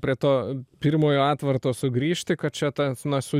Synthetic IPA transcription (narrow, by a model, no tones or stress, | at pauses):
pʲɾʲiɛt̪oːpʲirmoːjoːɑːt̪ʋɐrt̪oːsʊɡɾʲiːʃʲt̪ʲɪkɐt̪̚t͡ʃʲɛt̪ɐnɐsʊ